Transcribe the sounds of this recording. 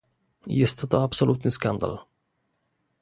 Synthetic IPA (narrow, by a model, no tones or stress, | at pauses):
jɪst̪ət̪aabsɔlʉ̟ːt̪ɪnskand̪a̰l